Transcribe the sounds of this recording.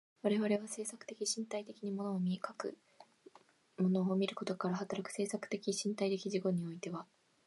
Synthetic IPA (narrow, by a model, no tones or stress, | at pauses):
βaɾe̞βaɾe̞βase̞ːsakɯ̟̥t̪e̞kʲiɕĩnt̪ait̪e̞kʲiɲ̟imo̞no̞ːmʲiekakɯ̟̰ | mo̞no̞ːmʲiɾɯ̟ko̞t̪o̞kaɾaɦat̪aɾakɯ̟̥se̞ːsakɯ̟̥t̪e̞kʲiɕĩnt̪ait̪e̞kʲiʑiɡo̞ɲ̟io̞it̪e̞βa